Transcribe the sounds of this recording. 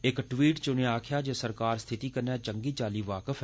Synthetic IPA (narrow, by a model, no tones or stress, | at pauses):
ɪkʈʋiːʈt͡ʃʊnẽːaːkʰjaːd͡ʒeːsəɾkaːɾst̪ʰɪt̪iːkəɾnjaːt͡ʃəŋɡiːt͡ʃaːliːʋaːkəfʰ